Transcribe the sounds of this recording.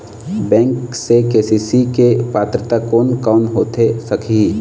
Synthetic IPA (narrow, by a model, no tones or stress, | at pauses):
bɛ̃ːŋksekeːsisikepaːt̪ɾət̪akoːnkaːnɦoːt̪esɐkʰi